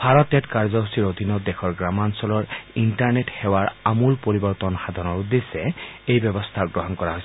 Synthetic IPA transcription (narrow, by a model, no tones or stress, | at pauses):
bʱaɹɔtɛtkaɹzɔɦusiɹod̪ʱinɔd̪ɛxʰɔɹɡɹamansɔlɔɹintaɹnethɛwaɹamulpoɹibɔɹt̪ɔnxad̪ʱɔnɔɹud̪esɛejbɔbɔst̪ʰaɡɹɔɦɔnkɔɹaɦojs